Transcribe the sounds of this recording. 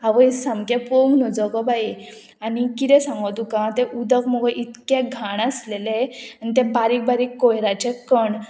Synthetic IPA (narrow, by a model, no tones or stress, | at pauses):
aʋəjsamkɛ̃poŋɡnɔd͡zɔɡɔbai | anikit̪ɛ̃sãŋɡət̪ũkãt̪ɛʔud̪əkmɔɡɔʔit̪kɛ̃ɡʱaɽəsleleanit̪ɛ̃baɾik̚baɾikːojɾat͡ɕɛkəɳ